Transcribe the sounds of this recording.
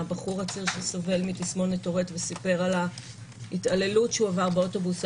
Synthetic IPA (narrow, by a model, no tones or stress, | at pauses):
baχuʁat͡siʁʃeso̞ve̞lmitismo̞netoʁetvesipe̞ʁala | hitale̞lutʃeuavaʁbeoto̞bus